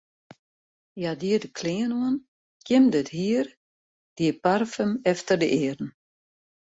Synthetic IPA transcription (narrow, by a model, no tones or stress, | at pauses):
jadiədəkʰliənoən | kjɪmdɪthiər | d̥iəparfəmɛftərdəʔɪːərn̩